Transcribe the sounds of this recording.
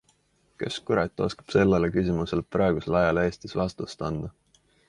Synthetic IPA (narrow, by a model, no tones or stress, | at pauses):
ke̞̰skuɾɑt̪ːˑo̞skɑ̥b̥se̞lːelekysʲimuse̞lprɑˑeɡ̥uselɑjɑle̞ːst̪isvɑst̪ust̪ɑnd̪̥ɑ